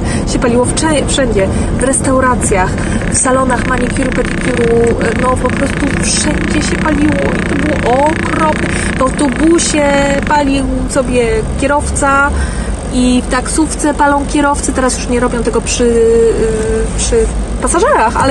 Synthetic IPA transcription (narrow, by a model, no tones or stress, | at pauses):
ɕɛpalʲiwɔfʂɛfʂɛɲd͡ʑɛ | vɾɛst̪awɾat̪sʲjax | fsalɔnaxmaɲikʲiɾupɛt̪ik̪ʲuɾu | nɔpɔpɾɔst̪ufʂɛɲd͡ʑɛɕɛpalʲiwɔit̪ɔbɨwʔɔkɾɔpnɛ | vat̪ɔbuɕɛpalʲiw | sɔbʲjɛkʲjɛɾɔft̪sa | ift̪aksuft̪sɛpalɔ̃w̃kʲɛɾɔft̪sɨt̪ɛɾasjuʂɲɛɾɔbʲjɔ̃w̃t̪ɛɡɔpʂɘ | pʂɘ | pasaʐɛɾaxa̰l